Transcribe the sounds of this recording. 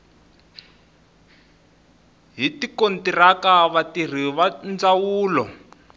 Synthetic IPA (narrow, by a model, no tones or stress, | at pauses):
ɦitikontirakaβatir̤iβand͡zawuːlɔ